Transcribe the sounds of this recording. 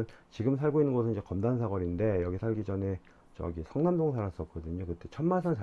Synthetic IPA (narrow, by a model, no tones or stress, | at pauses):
nt͡ɕiɡɯmsʰaɭɡoinːɯnɡʌsʰɯnid͡ʑe̞kʌmdansʰaɡʌɾinde̞jʌɡisʰaɭɡid͡ʑʌne | t͡ɕʌ̰ɡisʰʌŋnamdoŋsʰaɾas͈ʌtk̚k͈ʌdɯɲokɯt͈e̞t͡ɕʰʌnmansʰʌnt͡ɕa